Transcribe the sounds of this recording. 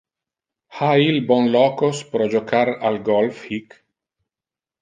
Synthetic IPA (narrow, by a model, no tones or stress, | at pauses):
hailbɔnlɔːkospɾɔd͡ʒokʰaɾalɡɔlfhik